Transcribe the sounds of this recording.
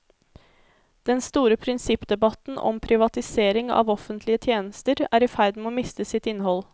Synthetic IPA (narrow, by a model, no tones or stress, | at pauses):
d̪̥ɛnst̪uːɾəpʰɾɪnsɪpd̪ɛbɑt̪n̩ʔɔ̰mpʰɾɪʋɑt̪ɪseːɾɪŋɑ̰ːʋɔfənt̪ʰlɪət̪ʰjeːnəst̪əɾæːɾɪfæɾd̪m̩oːmɪst̪əsɪt̪ɪnːhɔl